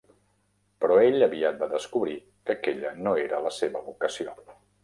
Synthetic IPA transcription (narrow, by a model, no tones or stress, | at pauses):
pɾɔeʎəβiat̪̚d̪aðəskuβɾi | kəkeʎənoeɾələseβəβukəsio